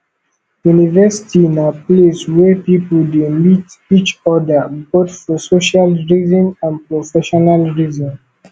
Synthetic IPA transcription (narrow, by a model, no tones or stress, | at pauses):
junivɛsi̥tʰiinapleswɛpipəldemit | it͡ʃɔdəbotfɔsoʃalɹizɔ̃nãnpɹofɛʃɔnalɹizɔ̃n